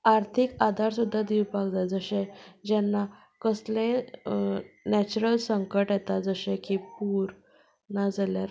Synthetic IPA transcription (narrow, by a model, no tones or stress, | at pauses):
aɾt̪ʰikad̪ʱaɾsud̪ʱːad̪iwpakd͡zad͡zəɕẽd͡ʑɛnːa | kəslẽ | nɛt͡ɕuɾəlsəŋkəʈjɛt̪ad͡zəɕẽkipuːɾ | nad͡zaljaɾ